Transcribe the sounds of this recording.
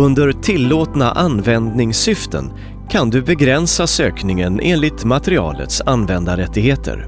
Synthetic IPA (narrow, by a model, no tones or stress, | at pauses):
ɵnd̪əɾt̪ʰɪlːoːt̪na̰ʔanvɛnd̪nɪŋsʏft̪ʰə̰n | kʰand̪ɵbɛɡɾɛnsasøːknɪŋənʔḛːnlɪt̪mat̪əɾɪɑ̰ːlə̰t̪sanːvɛnd̪aɾɛt̪ːɪɡheːt̪ʰə̰ɾ